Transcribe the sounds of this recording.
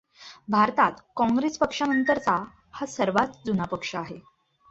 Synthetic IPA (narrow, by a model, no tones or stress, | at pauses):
bʱaɾt̪at̪kɔ̃ŋɡɾespəkʂanənt̪əɾt͡sa | hasəɾʋat͡s̪d͡zunapəkʂəaɦe